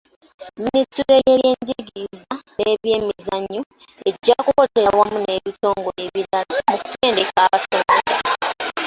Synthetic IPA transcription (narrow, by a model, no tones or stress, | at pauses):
minituɾejejeːɲɟiɡizaneβje̞ːmizaɲːoeɟːakukoteawamune̞βito̞ːŋɡo̞leβiɾalamuku̥tʰeːnde̞kaːβasoβoɾa